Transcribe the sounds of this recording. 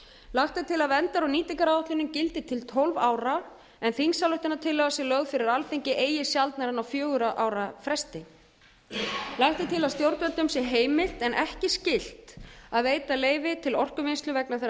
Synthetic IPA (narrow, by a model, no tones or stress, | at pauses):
laxt̪ɪt̪ʰɪlaðvɛnt̪aɾaniːt̪ɪkaɾaɔht̪lʏnʏmcɪlt̪ɪt̪ʰɪlt̪ʰɔlvaːwɾa | ɛnθiŋsalʏht̪ɪnat̪ʰɪlːɛɣasjɛɣlœɣfɪɾɪɾalθiɲcɪʔeːjɪsjalt̪naɾanawfjœːɣʏɾaʔaːwɾafɾɛst̪ɪ | laxt̪ɪt̪ʰɪlaðst̪jowɾt̪vɛnt̪ʏmsjɛɦeːjmɪl̥t̪ɛnʔɛhcɪscɪl̥t̪aðveːjt̪aleːjvɪt̪ʰɪlɔr̥kʏvɪnst̪lʏvɛknaθɛ